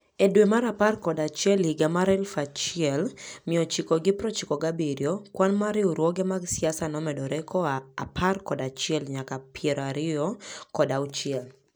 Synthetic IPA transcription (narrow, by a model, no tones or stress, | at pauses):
ɛdwemaɾaparkɔdat͡ʃɛliɡamaɾɛlfat͡ʃɪɛlmɪɔt͡ʃikɔɡɪpɾɔt͡ʃɪkɔɡabeɾjɔkwanmaɾɪɔɾwɔɡɛmaɡsɪasanɔmɛdɔɾɛkɔapʰarkɔdat͡ʃɪɛlɲakapʰjɛɾɔaɾɪɔkɔdaʊt͡ʃɪɛl